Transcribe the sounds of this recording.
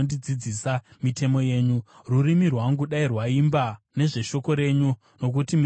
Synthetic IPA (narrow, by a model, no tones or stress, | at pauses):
ndid͡zid͡zisamitʰe̞mo̞je̞ːɲu | rurimirwaŋɡuɗairwaimba | ne̞ʐe̞ʃo̞ko̞ɾe̞ɲu | no̞k̬utim